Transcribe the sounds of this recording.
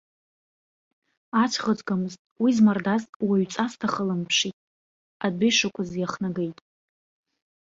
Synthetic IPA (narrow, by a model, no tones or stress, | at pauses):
at͡ʃʷʰχət͡sʼɡamɨztʼwizmardazwaɥt͡sʼastʰaχəlɨmpʰʂitʼ | adʷejʂakʷʰazjaχnaɡejtʼ